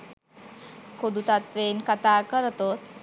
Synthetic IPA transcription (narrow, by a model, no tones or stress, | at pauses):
kod̪ut̪at̪ʋeːnkət̪aːkəɾt̪oːt̪